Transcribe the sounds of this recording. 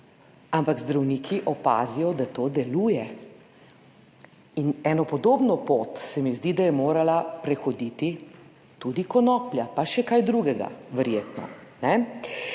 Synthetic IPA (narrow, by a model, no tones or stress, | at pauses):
ampaɡzd̪ɾawniːkʰiʔɔpa̰ːzijɔd̪at̪oːd̪ɛluːjɛ | inɛnɔpɔd̪oːbnɔpot̪sɛmizd̪id̪ajɛmoːɾalapɾɛxɔd̪it̪i | t̪ud̪ikɔnɔːplʲjapaʃɛkajd̪ɾuɡɛɡa̰ʋɛɾjeːt̪nɔ̰nɛ